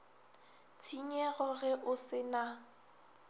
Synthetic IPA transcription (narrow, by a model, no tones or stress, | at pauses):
t͡sʰiɲɛɣɔɣɛʔʊsɪna